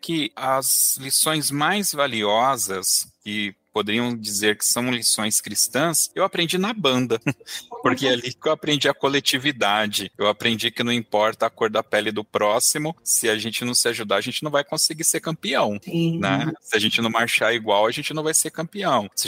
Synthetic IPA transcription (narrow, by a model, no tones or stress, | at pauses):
kɪɐzlisõj̃zmajzvaliɔzɐskɪpod̪eɾiɐ̃w̃d͡ʒizeɾkɪ̥sɐ̃w̃lisõj̃skɾist̪ɐ̃sewapɾẽnd͡ʒinɐbɐ̃nd̪ɐpoɾkealikewapɾẽnd͡ʒiɐkolet͡ʃivid̪ad͡ʒɪewapɾẽnd͡ʒikɪnɐ̃w̃ĩpɔɾt̪ɐːkoɾd̪ɐpɛlɪd̪ʊpɾɔsimʊsɪaʒẽnt͡ʃɪnɐ̃w̃sɪaʒud̪aaʒẽnt͡ʃɪnɐ̃w̃vajkõsɪɡiseɾkɐ̃mpiɐ̃w̃nɛsɪaʒẽnt͡ʃɪnɐ̃w̃maɾʃaiɡwawɐʒẽnt͡ʃɪnɐ̃w̃vajseɾkɐ̃mpiɐ̃w̃sɪ